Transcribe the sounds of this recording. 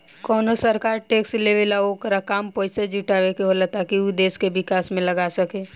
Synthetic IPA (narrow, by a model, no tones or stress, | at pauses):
kɔːnosəɾkaːɾʈeːksʈleːʋelaokəɾakaːmpoːɪsed͡ʒuʈaːʋekeɦolat̪akiud̪eːskebɪkaːsmẽləɡaːsəkeː